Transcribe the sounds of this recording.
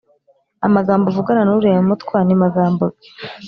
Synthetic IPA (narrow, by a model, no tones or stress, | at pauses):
a̰maɡaːmbovuɡaɾanuɾemutkwaːnimaɡaːmbo